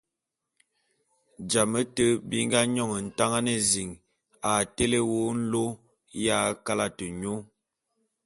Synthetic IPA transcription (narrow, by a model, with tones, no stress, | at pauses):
d͡ʒa˨mə˦tə˦bi˦ŋ˦ɡa˦ɲɔ˦˨ŋə˨n̩˨ta˦ŋa˦nə˨zi˨ŋ | a˨te˦le˦wo˦n̩˦lo˦ | ja˦ka˦la˦tə˨ɲo˦